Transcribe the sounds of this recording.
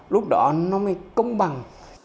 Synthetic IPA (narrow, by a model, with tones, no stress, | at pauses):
lʊ˦˥k͡p̚ɗɔ̰˧˨˦nɔ˧˦mɛ˨˧˩kə˧wŋ͡mɓa˨˩ŋ